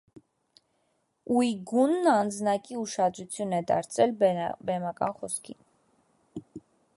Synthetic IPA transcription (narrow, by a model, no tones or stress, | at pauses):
ujɡunːɑnd͡znɑkiuʃɑd̪ɾut͡sʰjunɛd̪ɑ̰ɾt͡sʰɛlbɛmɑkɑ̰nχɔskʰḭn